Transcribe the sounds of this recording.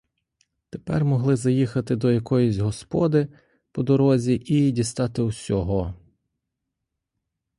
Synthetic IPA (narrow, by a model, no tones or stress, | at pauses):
t̪epɛrmɔɦlˠɪzɐjixɐt̪ɪd̪ɔjɐkɔjɔzʲɦɔspɔd̪ɪ | pɔd̪ɔɾɔzʲiʔidʲist̪ɑt̪ɪwsʲɔɦɔ